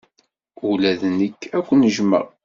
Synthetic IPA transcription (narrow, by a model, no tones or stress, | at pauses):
ulæðnəkːækʷːənəʒmə̰ʁ